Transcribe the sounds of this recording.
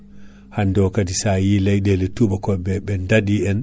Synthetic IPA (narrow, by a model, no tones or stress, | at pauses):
handɔwkadisajilajdelɛtubakɔbɛbɛndadiɛn